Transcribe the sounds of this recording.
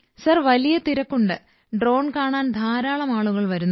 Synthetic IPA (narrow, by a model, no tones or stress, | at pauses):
sɐrʋɐlijɐt̪iɾɐkːuɳɖɨ | ɖro̞ːɳkaːɳaːnd̪ʱaːɾaːɭɐmaːɭuɣɐɭʋɐɾunː